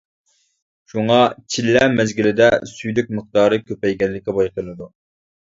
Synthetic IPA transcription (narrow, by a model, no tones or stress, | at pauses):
ʃuŋɑt͡ʃʰilːɛmɛzɡʲilɪd̪ɛsyjlyk̚ʲməχ̚t̪ɑːɾɨkʲʰøpɛjɡʲɛnlːɪkʲːɛbɑjqəlɨd̪u